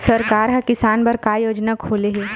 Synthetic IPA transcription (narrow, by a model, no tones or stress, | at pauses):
sɐɾkaːɾɦɐ̃kɪsaːnbɐɾkaːjoːd͡ʒnakʰoːleɦeː